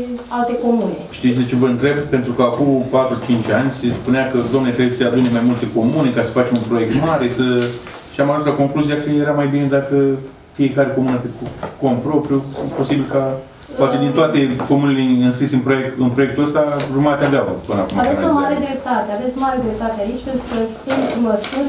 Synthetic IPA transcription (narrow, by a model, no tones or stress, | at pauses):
alt̪eko̞muneʃt̪isʲd̪et͡ʃevəɨnt̪ɾe̞bpe̞nt̪ɾukəakupat̪ɾut͡ʃint͡ʃʲanʲse̞spuneakəd̪oamnet̪ɾebesəsead̪unemajmult̪e̞ko̞mune̞kasə̥fat͡ʃe̞munpɾo̞jek̚t̪maɾe̞sə | ʃiamaʒut̪lako̞ŋkluzijakəje̞ɾamajbine̞d̪akə | fije̞kaɾe̞ko̞munət̪ekukompɾo̞pɾijupo̞sibilka | poat̪ed̪int̪oat̪e̞ko̞muneleɨnskɾisɨnpɾoekɨnpɾo̞jekt̪uəst̪auɾmat̪eava̰pɨna̰kumavesʲomaɾe̞d̪ɾep̚t̪at̪eavet̪sʲomaɾed̪ɾe̞p̚t̪at̪eait͡ʃʲpent̪ɾukəsɨnt̪ləsut̪